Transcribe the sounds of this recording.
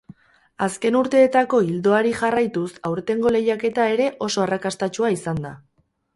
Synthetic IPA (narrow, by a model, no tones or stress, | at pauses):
aske̞nuɾt̪e̞ːt̪ako̞ild̪o̞aɾiʝarajt̪usawɾet̪e̞ŋɡo̞le̞jake̞t̪ae̞ɾe̞ʔo̞so̞arakast̪at͡ʃuaisand̪a̰